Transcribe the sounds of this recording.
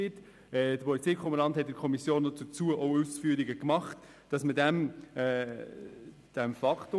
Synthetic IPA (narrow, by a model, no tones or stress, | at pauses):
ɪt | ɛd̥əpʰɔlit͡seːkʰχoməɾlɑnthɛt̚dəkʰɔmisjoːnːɔt͡sʊt͡suəʔɔʊusfyəɾiɡəkmɑχt | d̥ɑsmədæmɛ | d̥æmfɑktʊ